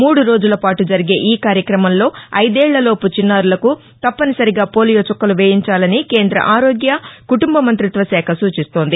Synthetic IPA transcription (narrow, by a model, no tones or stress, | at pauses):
muːɽuɾo̞ːd͡ʒulɐpaːʈud͡ʒɐɾiɡe̞ːʔiːkaːɾjɐkɾɐmɐmlo̞ːɐjd̪ɛːɭːɐlo̞ːput͡ʃinːaːɾulɐku | t̪ɐpːɐnisɐɾiɡaːpo̞ːlijoːt͡ʃɔkːɐluʋeːjiɲt͡ʃaːlɐnike̞ːnd̪ɾɐ̰ʔaːɾo̞ːɡjɐkuʈumbɐmɐnt̪ɾit̪ʋɐsɛːkʰɐsuːt͡ʃist̪oːnd̪i